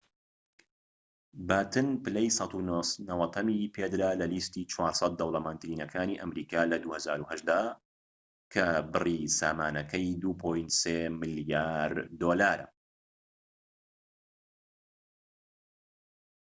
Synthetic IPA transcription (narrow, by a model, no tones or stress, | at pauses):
baːt̪ʰɨnpɨlɛjsɑt̪unɐwɐt̪ʰɐmipʰeːd̪ɨɾaːlɐliːst̪iːt͡ʃʰwaːɾsˤɑt̪̚d̪ɐwlɐmaːnt̪ɾiːnɐkʰaːniːʔɐmɾiːkaːlɐd̪uːhɐzaːɾuːhɐʒd̪a | kʰɐbɨrisaːmaːnɐkʰɐjd̪uːpʰoːjnt̪seːmɨljaːɾd̪oːlaːɾɐ̰